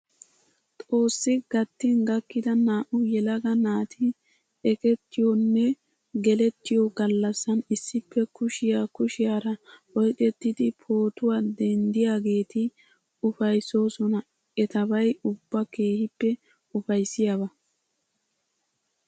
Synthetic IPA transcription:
t̪ʼo̞ːsːɪɡ̥ɐt̪ːɪnɡɐkːɪd̪ɐnaːʔʊjɛlɐɡɐnaːt̪ʰɪ | ɛkɛt̪ːɪjɔnːɛ | ɡɛlɛt̪ːɪjɔɡɐlːɐsːɐnɪsːɪpːɛkʊʃɪjaːkʊʃɪjaːɾɐɔjkʼɛt̪ːɪd̪ɪpʰo̞ːt̪ʊwad̪ɛnd̪ɪjaːɡe̞ːt̪ɪ | ʊfɐjso̞ːsɔnɐ | ɛt̪ɐbɐjʊbːɐke̞ːhɪpːɛ | ʊfɐjsːɪjaβɐ

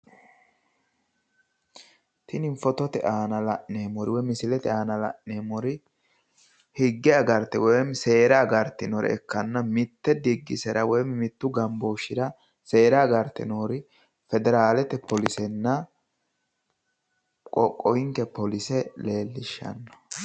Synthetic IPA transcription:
t̪ʰɪnɪɱfɔt̪ɔt̪ɛʔaːnɐlɐʔneːmɔɾɪwɔjmɪsɪlɛt̪ɛaːnɐlɐ̰ʔneːmɔɾɪ | hɪɡːɪjaɡɐɾt̪ːɛwɔjɛmse̞ːɾaːɡɐɾt̪ːɪnɔɾɪ̰ɛ̰kːɐnːɐmɪt̪ːɛd̪ɪɡːɪsɛɾɐwɔjɛmmɪt̪ːʊɡɐmboːʃːɪɾɐ | se̞ːɾaːɡɐɾt̪ːɪ̰noːɾɪ | fɛd̪ɛɾaːlɛt̪ɛpɔlɪsɛnːɐ | kʼɔkʼːɔɪŋkɛpɔlɪsɛle̞ːlːɪʃːɐ̰nːɔ̥

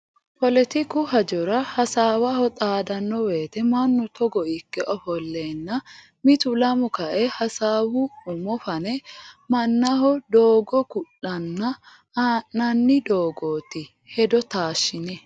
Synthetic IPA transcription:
pɔlɛt̪ɪkʊɦɐd͡ʒɔɾɐhɐsaːwahɔt̪ʼaːd̪ɐnːɔweːt̪ɛmɐnːʊt̪ʰɔɡɔʔɪkːɛʔɔfɔlːeːnːɐ | mɪt̪ʊlɐmʊkɐʔɛhɐsaːwʊʊmɔfɐnɛmɐnːɐhɔd̪oːɡɔkʊɗɐnːɐ | aːʔnɐnːɪd̪oːɡoːt̪ɪ | hɛd̪ɔt̪aːʃɪnɛ

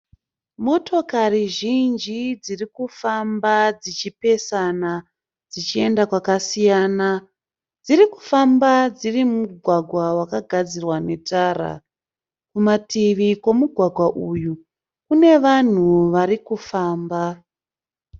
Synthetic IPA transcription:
mo̞tʰo̞kariʒind͡ʒid͡zirikufambad͡zit͡ʃipe̞sana | d͡zit͡ʃie̞ndakwakasijaːna | d͡ziriku̥fambad͡zirimuɡʱwaɡʱwawakaɡʱad͡zirwane̞taːra̰ | kumatiʋikwo̞muɡʱwaɡʱwaʔuju | kune̞ʋan̤uʋaɾikufaːmba

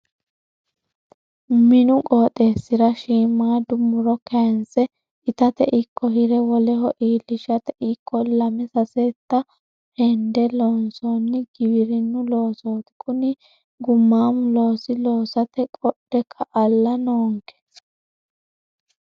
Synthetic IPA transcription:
mɪnʊkʼo̞ːt̪ʼeːsːɪɾɐʃiːmːaːd̪ʊmʊɾɔkʰɛnsɛ | ɪt̪ɐt̪ɛʔɪkʰːɔɦɪɾɛwɔlɛhɔʔiːlːɪʃɐt̪ɛʔɪkːɔlɐmɛsɐsɛt̪ːɐ | hɛnd̪ɛloːnsoːnːɪɡ̥ɪbɪɾɪnːʊlo̞ːso̞ːt̪ɪ̥kʰʼʊnɪ | ɡʊmːaːmʊlo̞ːsɪlo̞ːsɐt̪ɛkʼɔɗɛkʰːɐʔɐlːɐnoːŋkʰɛ̥s

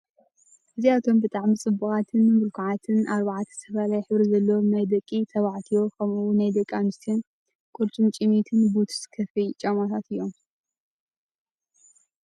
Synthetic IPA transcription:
ʔɨziat̪ʰo̞mbɨt̪ʼaʕmit͡sʼɨbːuxʼat̪ʰɨnmɨlkʰuʕat̪ʰɨnʔaɾβaʕat̪ʰɐ̥sʰɐfalajħɨβɾizɐlːɐwonɐjd̪ɐkʼːit̪ʰɐβaʕt̪ʰijo̞kʰɐmuwunajd̪ɐkʼːanɨst̪ʰion | kʼʊɾt͡ʃʼɨmt͡ʃʼimit̪ʰɨnbut̪ʰskʰɐfɐjt͡ʃʼɐmat̪ʰat̪ʰɨjːo̞m

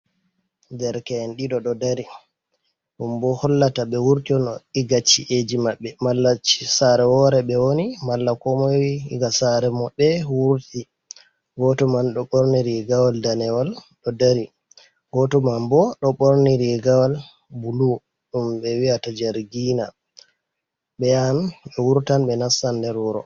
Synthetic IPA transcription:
dɛɾkɛnɗiɗɔɗɔdaɾi | ɗumbɔhɔlːataɓɛwuɾtiɔnɔiɡat͡ʃːiʔed͡ʒimaɓːɛmalːat͡ʃːi̥saɾɛwɔɾɛɓɛwonimalːakɔmɔwiiɡasaɾɛmɔɓɛwuɾti | ɡɔtɔmanɗɔɓoɾniɾiɡawaldanɛwalɗɔdaɾi | ɡɔtɔmambɔɗɔɓoɾniɾiɡawal | bulu | ɗumbɛwiatad͡ʒaɾɡina | ɓɛjanɓɛwuɾtanɓɛnasːandɛɾuɾɔ̰

